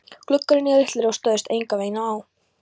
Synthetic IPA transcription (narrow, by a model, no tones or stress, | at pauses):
kʰlʏkːaɾɪnɛːðɪht̪lɪɾawst̪œːðɪst̪ejŋkaveːjnaːw